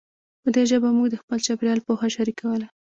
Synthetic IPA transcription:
pəd̪eʒəbamuɡd̪əxpəlt͡ʃabɾjɑlpoxaʃaɾikawəla

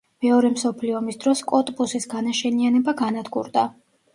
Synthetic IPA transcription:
mɛɔɾɛmsɔpʰliɔmisd̪ɾɔskʼɔt̪ʼpʼusisɡanaʃɛnianɛbaɡanad̪ɡṵɾd̪a

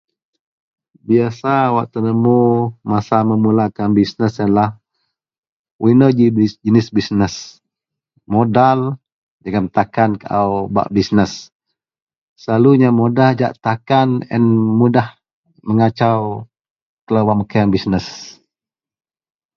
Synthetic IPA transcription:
biasawaʔ̚t̪ənəmumasaməmulakanbisnəsənlah | winəd͡ʒid͡ʒənɪsbisnəs | modal | d͡ʒaɡamt̪akankaʔawba̰ʔbisnəs | laluɲamodahd͡ʒa̰ʔt̪akanə̰nmudah | məŋat͡ʃaw | kəlawwaʔməkaanbisnəs

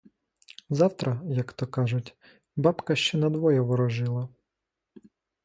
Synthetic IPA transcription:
zɑwt̪ɾɐjɐkt̪ɔkɑʒʊtʲ | bɑbkɐʃt͡ʃɛnɐd̪ʋɔjɛʋɔɾɔʒɪlˠɐ

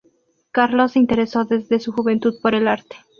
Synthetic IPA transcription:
kaɾloseint̪e̞ɾe̞so̞ðe̞zðe̞suxuβe̞nt̪uðpo̞ɾe̞laɾt̪e̥

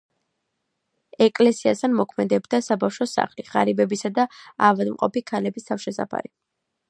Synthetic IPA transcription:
ɛkʼlɛsiast̪ʰanmɔkʰmɛd̪ɛbd̪asabafʃɔsa̰χliʁa̰ɾibɛbisad̪aavad̪mqʼɔpikʰalɛbist̪ʰafʃɛsa̰pʰa̰ɾi

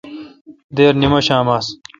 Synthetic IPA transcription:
d̪eːɾnimɐɕaːmaːs

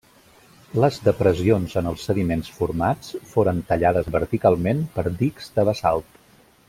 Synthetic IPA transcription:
ləzðəpɾəzionzənəlˠsːəðimensfuɾmat͡sfoɾənt̪əʎaðəzβəɾt̪ikalˠmenpəɾd̪ikzd̪əβəsa̰lˠt̪

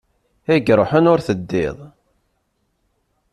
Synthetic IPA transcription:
æɡɾˤoħənʊɾθəd̪ːɪ̰ðˤ

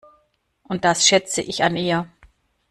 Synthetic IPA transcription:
ʔʊnt̚d̥asʃɛt͡səʔɪçanʔiːɐ

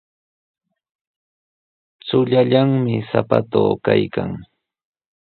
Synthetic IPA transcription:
t͡sʊʎaʎaŋmɪsapat̪oːkajkaŋ

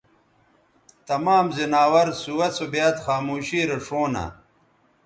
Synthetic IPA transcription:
t̪ɐmaːmzinaːwɐɾsuwɐt͡sobjaːt̪xaːmuːɕiːɾɐʂoːna̰

